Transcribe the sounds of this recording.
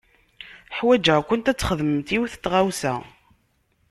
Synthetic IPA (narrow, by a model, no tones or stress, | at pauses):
ħwæd͡ʒəkʷʊnt̪æt͡sːχəðmt̪iwθət̪ːʁawsæ̰